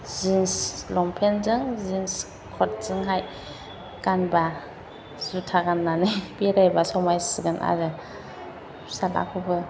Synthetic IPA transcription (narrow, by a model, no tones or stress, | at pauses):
zinslɔmpʰenzɯŋzins | kʰɔt̚z̥ɯŋɦaj | ɡ̥anba | z̥utʰaɡanːanɯjbeɾajbasɔmajsɯɡɯnʔa̰ɾɯ | sala̰kʰubɯ